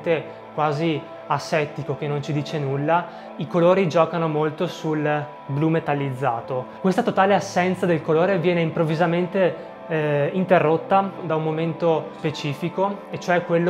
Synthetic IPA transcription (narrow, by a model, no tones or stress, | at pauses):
t̪e | kwaːzi | asːɛt̪ikokenːont͡ʃid̪iːt͡ʃenulːa | ikoloːɾid͡ʒɔːkanomolt̪osul | blumet̪alːid̪zːa̰ːt̪okwest̪at̪ot̪aːleasːɛnt̪sad̪elkoloːɾevjɛːneimpɾovːizament̪e | int̪erːot̪ːad̪aumːoment̪ospet͡ʃiːfikoet͡ʃːoɛkːwelːo